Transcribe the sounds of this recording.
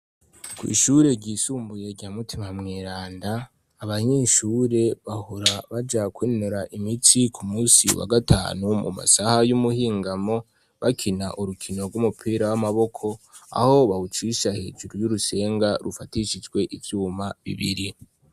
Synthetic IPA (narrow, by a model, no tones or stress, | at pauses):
kwḭːʃuːɾe̞ɟiːsuːmbuje̞ɾɟaːmutʰimamŋeːɾaːndaː | βaɲe̞ːʃuːɾe̞βahuɾaβad͡ʒakwiːnuɾaʔimit͡sikʰumuːsḭwa̰ɡatʰa̰ːnumṵma̰sahajumuhiːŋɡamo̞ | βakʰina̰ʔuɾukʰino̞ɡumupʰiːɾawamaβo̞kʰo̞ | a̰ho̞βahut͡ʃiʃahe̞ːd͡ʒuɾujuɾuse̞ːŋɡaɾufatiʃid͡ʒɡwe̞ʔivjuːmaβḭβḭɾi